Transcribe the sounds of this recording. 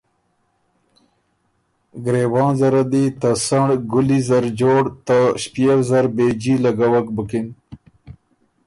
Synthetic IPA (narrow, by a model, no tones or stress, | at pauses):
ɡɾeːwɑ̃ːnzaɾad̪it̪asaɳɖɡulizaɾd͡ʒoːɽt̪aɕpjewzaɾbed͡ʑilaɡawakbəkin